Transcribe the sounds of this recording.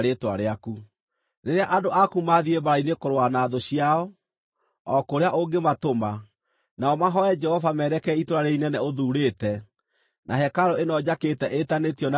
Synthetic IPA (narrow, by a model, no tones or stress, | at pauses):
ɾetwa̰ɾeaku | neɾeaʔadoʔakumaðiebaɾainekoɾwanaːðoɕiaɔ | ɔkoɾeaʔoɡematoma | naɔmaɦɔɛd͡ʒɛhɔvamɛɾɛkɛitoɾaɾeinɛnɛoðuːɾeːtɛ | nʔaɦɛkaɾoenɔd͡ʑaketɛʔetanetiɔna